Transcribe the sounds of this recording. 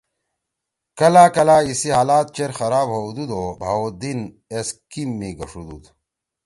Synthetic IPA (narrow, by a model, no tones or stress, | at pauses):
kɐlaːkɐlaːisiɦaːlaːt̪̚t͡ɕeɾxɐɾaːbɦoud̪ud̪obʱaod̪in | eskimːiɡɐʂud̪ṵd̪